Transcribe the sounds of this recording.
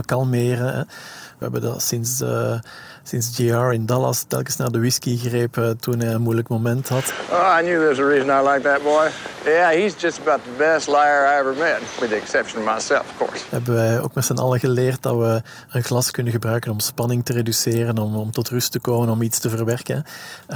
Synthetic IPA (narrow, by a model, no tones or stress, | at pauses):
kɑlˠmeːrəɦɛʋə̰ɛ̰bəndɑ̰sɪns | sɪnsd͡ʒiɑːɹɪndɑlˠɑ̰stɛ̰lˠkəsnaːrdəʋɪskiɣreːptunɛjənmujləkmomɛntɦɑtoaɪnjʉðə˞zəɹizə̃naɪlaɪk̚ðɨt̚b̥ɔɪjæhizd͡ʒʌstəbaʊt̪̚ðəbɛstˡlaɪə˞aɪɛvə˞mɛt̚wɨðiɨksɛpʃə̃nʌvmaɪsɛ̰lˠfʌ̥v̥kʰɔ̰ɹshɛ̰bəwɛo̰ːk̚matsɛnɑ̰lˠəɣəleːrt̚dɑ̰ʋə | ənklɑskʏnənɣəbrœɥkənɔmspɑnɪŋtəredyseːrənɔmɔmtɔtrʏstəkoːmənɔmitstəvərʋɛrkən